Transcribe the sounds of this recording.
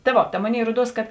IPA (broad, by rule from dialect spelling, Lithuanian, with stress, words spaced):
tɐ ˈʋoː tɐ ˈmoːˌnʲeːɪ ˈruɔˌduɔs kɐt